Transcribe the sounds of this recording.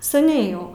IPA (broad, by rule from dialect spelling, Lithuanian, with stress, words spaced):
sɐˈnʲɛɪ jɛʊ